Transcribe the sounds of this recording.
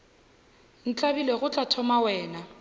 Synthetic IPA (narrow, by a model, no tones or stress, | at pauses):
n̩t͡ɬʼabileɣʊt͡ɬʼatʰɔmawɛːna